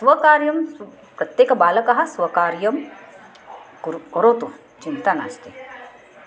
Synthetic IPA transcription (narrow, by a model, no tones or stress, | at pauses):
sʋɐkaːɾjɐm | pɾɐt̪jeːkɐbaːlɐkɐɦɐ̆sʋɐkaːɾjɐm | kuɾoɾoːt̪u | t͡ʃint̪ana̰ːst̪i